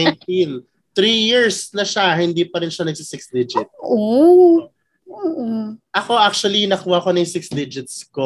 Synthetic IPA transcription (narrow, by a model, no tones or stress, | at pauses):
jnt̪in | t̪ɾiːjiɹsnɐʃaɦɪnd̪iːpɐɾɪnʃanɐɡ̚sɪsɪksd̪ɪd͡ʒɪt̪̚ʔo | oːʔoʔɐko̞ʔak̚t͡ʃuɐlinɐkuːhɐʔko̞nɐjsɪksd̪ɪd͡ʒɪt̪̚sko